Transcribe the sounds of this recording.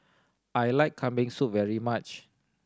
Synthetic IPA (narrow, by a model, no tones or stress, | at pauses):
ʔajlaɪkʰːãmbĩŋsut̚vɛɹimat͡ʃ